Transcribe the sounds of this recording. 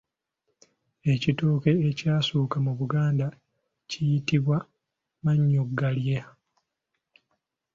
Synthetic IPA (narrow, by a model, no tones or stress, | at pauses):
e̞citoːke̞ecaːsuːkamuβuɡaːnda | cijitiβwa | maɲːoɡːalje